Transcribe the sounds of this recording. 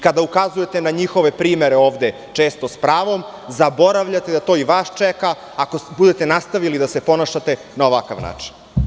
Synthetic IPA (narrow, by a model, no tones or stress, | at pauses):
kad̪aukazuje̞t̪e̞naɲixoʋe̞pɾiːme̞ɾeoːʋd̪e̞ | t͡ʂe̞ːst̪o̞spɾaːʋo̞m | zabo̞ɾaʋʎat̪ed̪at̪o̞ːiʋaːʃt͡ʃekaː | kobud̪e̞t̪e̞nast̪aʋilid̪ase̞po̞naʃat̪e̞ | naoʋakaʋna̰ːt͡ʂi̥n